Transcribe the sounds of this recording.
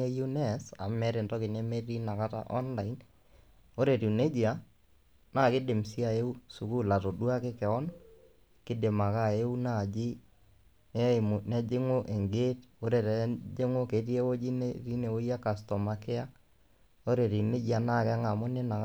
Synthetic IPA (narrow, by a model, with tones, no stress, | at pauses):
e˦ju˦nɛ˦˨sa̰˨mɛ˦ɾe˨ntɔ˦kɪ˨nɛ˦me˦ri˦na˨ka˦ta̰˦ʔɔ˦nla˨in | o˦ɾe˨ɾi˨ne˦d͡ʒi˨a˦ | naː˦˨kɪ˦dɪ˨msi˦a˨e˦u˦su˨ku˦la˨to˨du˦a˦kɪ˦kɛ˨ɔ˦n | kɪ˦dɪ˨ma˨ka˦˨e˦u˦na˦˨d͡ʒi˦ | nɛ˦˨m˨nɛ˦d͡ʒɪ˦ŋo˦ʔe˨ŋɡe˦to˦ɾe˨tɛ˨d͡ʒe˦ŋo˦ke˨˦ti˦e˦wo˦d͡ʒi˦neɾi˦ne˨wo˦ja˦ka˨stɔ˨ma˨kɪ˦a˦ | o˦ɾe˨ɾi˨ne˦d͡ʒi˦a˨na˦˨kɛ˦ŋa˨mʊ˦ne˦na˨k